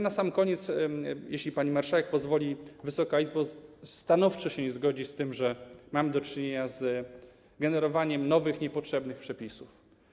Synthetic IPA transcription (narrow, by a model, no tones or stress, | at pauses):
nasamkɔɲɛt̪sjeɕlʲipaɲimaɾʂawɛk̚pɔzvɔlʲivɘsɔkaizbɔst̪anɔft͡ʂɔɕɛɲɛzɡɔd͡ʑist̪ɘmʐɛmamd̪ɔt͡ʂɘɲeɲaz | ɡɛnɛɾɔvaɲɛmnɔvɘxɲɛpɔtʂɛbnɘxpʂɛpʲisuf